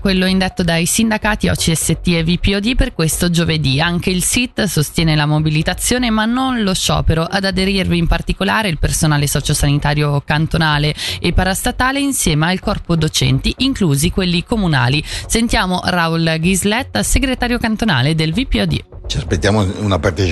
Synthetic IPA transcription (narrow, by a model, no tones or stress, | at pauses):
kwelːoind̪et̪ːod̪ajsind̪akaːt̪iɔ̰t͡ʃiɛsːet̪ːievipːiɔd̪iperkwest̪od͡ʒoved̪iaŋk̟eilsit̪ːsost̪jɛːnelamobilit̪at̪sːjoːnemanːonloʃːɔ̰ːpeɾoʔad̪ad̪eɾirviːmpart̪ikolaːɾeilpersonaːlesɔːt͡ʃosanit̪aːɾjokant̪onaːleːpːaɾast̪at̪aːleinsjɛːmailkɔrpod̪ot͡ʃɛ̰nt̪iʔiŋkluːzikwelːikomuna̰ːlisent̪jaːmoraulɡizlɛt̪ːseɡɾet̪aːɾjokant̪ona̰ːled̪elvipiɔd̪ḭ | t͡ʃiaspet̪ːjaːmounapart̪et͡ʃ